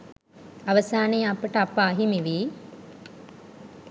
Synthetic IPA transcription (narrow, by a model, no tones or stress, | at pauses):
aʋəsaːnejapəʈəapːaːɦimiʋiː